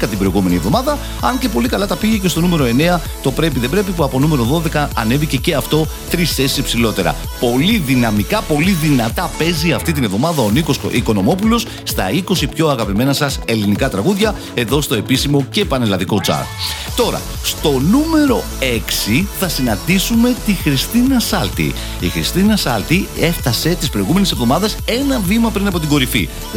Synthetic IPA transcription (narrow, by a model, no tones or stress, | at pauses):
ɐnt̪ibɾo̞iɣume̞nievðo̞mɐðɐ | ɐɲce̞po̞likɐlɐt̪ɐpiʝece̞st̪o̞nume̞ɾo̞e̞ne̞ɐ | t̪o̞pɾe̞p̬iðe̞bɾe̞pipuɐpo̞nume̞ɾo̞ðo̞ðe̞kɐɐne̞vice̞ce̞ɐft̪o̞ | t̪ɾisθe̞si̥sipsilo̞t̪e̞ɾɐ̰ | po̞liðinɐmikɐpo̞liðinɐt̪ɐpe̞ziɐft̪it̪̬ine̞vðo̞mɐðɐoniko̞sḭko̞no̞mo̞pulo̞s | st̪ɐiko̞sipço̞ɐɣɐpime̞nɐsɐse̞linikɐt̪ɾɐɣuðʝɐ | e̞ðo̞st̪o̞e̞pisimo̞ce̞pɐnelɐðiko̞t͡sɐ̰ɾt̪o̞ɾɐ̰ | st̪o̞nume̞ɾo̞ | e̞ksiθɐsinɐnd̪isume̞t̪ixɾist̪inɐsɐlt̪ḭ | ixɾist̪inɐsɐlt̪ie̞fθɐse̞t̪ispɾo̞iɣume̞nese̞vðo̞mɐðese̞nɐvimɐpɾinɐpo̞t̪̬iɡo̞ɾifḭ